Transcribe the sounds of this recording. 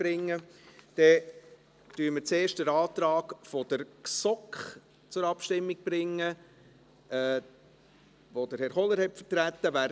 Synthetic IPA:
b̥ɾɪŋːəd̥ɛ | tyːmət͡seːʃtdəɾɑːt̪ɾɑːɡfod̥əɾksɔkχ | t͡sʊɾɑpʃtɪmːiɡ̥̚b̥ɾɪŋːə | ɛː | ʋod̥əɾhɛɾχɔləɾhɛtfətɾæt̪ːəvæː

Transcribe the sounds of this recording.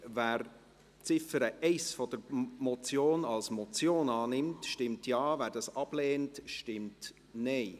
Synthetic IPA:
væːɾ | t͡sɪfəɾəʔɛɪsfɔd̥əɾmɔt͡sjoːnɑlsmɔt͡sjoːnɑːnɪmtʃtɪmtʰjɑːvæːɾd̥ɑsɑb̥leːntʃtɪmt | nɛɪ

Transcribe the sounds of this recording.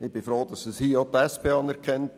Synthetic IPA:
ɪb̥ɪfɾoːd̥̪ɑsəshiːot̪ɛspʰeːɑnɛɾkʰɛnt

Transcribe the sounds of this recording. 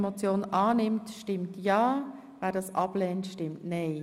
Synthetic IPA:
mot͡sjoːnʔɑːnɪmtʃtɪmtjɑː | væːdɑːsʔɑb̥lɛːntʃtɪmtnɛɪ

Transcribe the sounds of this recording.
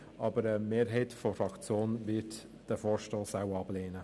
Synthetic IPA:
ʔɑːbəɾəmeːɾɦɛɪtfɔfɑkt͡sjoːnvɪt | d̥əfoːɾʃtɔːsawɑbleːnə

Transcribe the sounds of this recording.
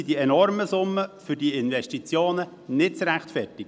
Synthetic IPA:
idiɛnɔɾməsʊmːəfʏɾdiɪnvɛʃtit͡sjoːnə | nɪt̚t͡sɾæχtfɛrtɪɡ

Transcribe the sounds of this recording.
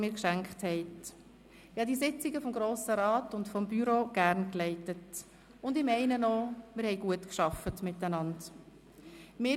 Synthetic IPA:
miːɾkʃæŋkχthɛɪt | ɪhɑːdiːsɪt͡siɡəfɔmɡɾoːsəɾɑːtʊntfɔmbyɾoːɡ̥æɾnklɛɪtət | ʊndɪmɛɪnənomɪːɾhɛɪɡuətkʃɑfətmɪtænɑnd | mɪː

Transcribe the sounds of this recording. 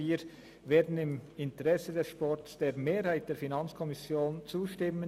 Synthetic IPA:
iːɾ | veːdn̩ɪmɪntəʁɛsədɛsʃpɔɾtsd̥eːɾmeːɾhaɪt̚d̥eːɐɾfinɑnt͡skʰɔmɪsjoːnt͡suːʃtɪmə

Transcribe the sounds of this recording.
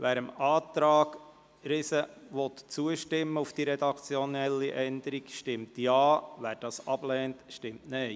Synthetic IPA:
ʋæːɾəmɑːt̪ɾɑːɡ̥ | ɾɪsəʋɔt̪t͡suəʃtɪmːəufd̥iɾɛd̪ɑkt͡sjɔnɛlːiʔɛnd̪əɾikʃtɪmtjɑːʋæːɾd̥ɑːsɑb̥lɛːntʃtɪmtnɛɪ

